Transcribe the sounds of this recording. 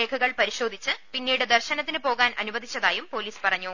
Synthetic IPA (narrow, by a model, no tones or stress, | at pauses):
e̞ːkʰɐɣɐɭpɐɾiɕo̞ːd̪ʱit͡ɕːɨpinːiːɽɨd̪ɐrɕɐnɐt̪ːinɨpo̞ːɣaːnʔɐ̰nubɐd̪ʱit͡ɕːɐðaːjumpo̞ːliːspɐrɐɲːu